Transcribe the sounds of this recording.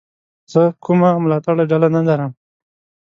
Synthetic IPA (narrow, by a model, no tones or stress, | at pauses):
z̥əkumamʊlɑt̪aɽaɖalanalaɾəm